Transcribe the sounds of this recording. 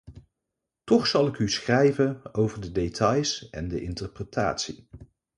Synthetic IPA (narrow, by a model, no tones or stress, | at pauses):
tɔχsɑlˠɪkysχrɛjvənowvəɹdədejtɑjsɛndəʔɪntəɹprətʰa̰ːtsi